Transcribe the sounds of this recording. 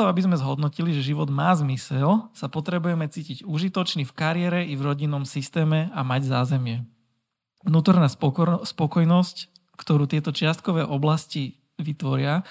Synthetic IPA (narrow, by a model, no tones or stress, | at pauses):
ɔabizmɛzɦɔd̪nɔciliʒɛʒiʋɔd̪maːzmisɛlsapɔt̪ɾɛbujɛmɛt͡siːciɟuʒit̪ɔt͡ʃnifkaɾɪɛɾɛʔivɾɔɟinːɔmsist̪ɛːmɛamaɟzaːzɛmɪɛ | ʋnuːt̪ɔɾnaːspɔkɔjnɔsc | kt̪ɔɾuːt̪ɪɛt̪ɔt͡ʃɪast̪̚kɔʋɛːʔɔblasci | ʋit̪ʋɔɾɪa